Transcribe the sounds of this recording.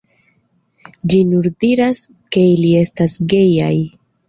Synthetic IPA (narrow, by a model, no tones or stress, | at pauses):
d͡ʒinuɾdiɾas | ke̞ilie̞stasɡe̞ja̰j